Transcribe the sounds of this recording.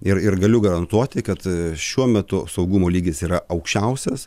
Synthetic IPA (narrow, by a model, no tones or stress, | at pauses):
ɪɾɪɾɡɐlʲʊɡɐɾɐnt̪uɔt̪ʲɪkɐt̪ʃʲuɔmʲɛt̪ʊsɐʊɡʊmoːlʲiːɡʲɪsiːɾɐɐʊkʃʲt͡ʃʲɛʊsʲɛs